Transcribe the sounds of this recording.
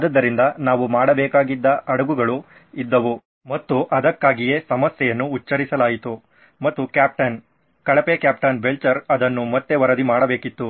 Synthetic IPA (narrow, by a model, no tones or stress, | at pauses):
d̪ɐd̪ːɐɾind̪ɐnaːʋumaːɽɐbɛːkaːɡid̪ːɐɐɽɐɡuɡɐɭu | id̪ːɐʋu | mɐt̪ːuʔɐd̪ɐkːaːɡijeːsɐmɐsjɛjɐnːuːt͡ʃːɐɾisɐlaːjit̪u | mɐt̪ːukjaːp̚ʈɐn | kɐɭɐpekjaːpʈɐnbelt͡ʃɐɾɐd̪ɐnːumɐt̪ːe̞ʋɐɾɐd̪imaːɽɐbe̞ːkit̪ːu